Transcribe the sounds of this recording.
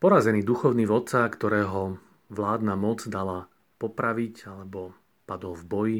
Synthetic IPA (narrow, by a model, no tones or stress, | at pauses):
pɔɾazɛniːd̪uxɔʊniːʋɔt̪t͡sakt̪ɔɾɛːɦɔ | ʋlaːd̪namɔd͡zd̪ala | pɔpɾaʋicalɛbɔ | pad̪ɔlvbɔji